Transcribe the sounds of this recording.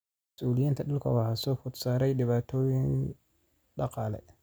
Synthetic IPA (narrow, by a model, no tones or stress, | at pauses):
mɐsuːlɪjɪnt̪ʰɐɗɪlkʰɔ̰wahɐsɔːfʊt̪saːɾɛjɗɪβaːt̪ʰɔːjɪŋ | ɗɑqɑːlɛ̰